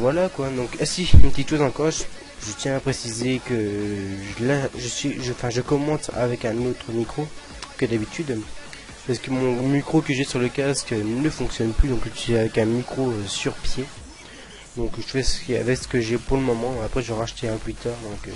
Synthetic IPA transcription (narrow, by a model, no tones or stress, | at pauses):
vwalakwad̪ɔ̃kasiynpət̪it̪ʃozɑ̃kɔʃ | ʒət̪jɛ̃apχesizekəʒəlaʒəsɥiʒəɑ̃fɛ̃ʒəkɔmɑ̃t̪a̰vɛkɛ̃not̪χəmikχo | kəd̪abit̪yd̪ | paskəmɔ̃mikχokəʒɛsyʁləkʲaskønəfɔ̃ksjɔnplyd̪ɔ̃kʒət̪ɛavɛkɛ̃mikχoøsyʁpje | d̪ɔ̃kʒəfɛsə̥kəa̰vɛksə̥kəʒɛpuʁləmɔmɑ̃apχɛʒəʁaʃt̪eɛ̃t̪wit̪œʁd̪ɔ̃kø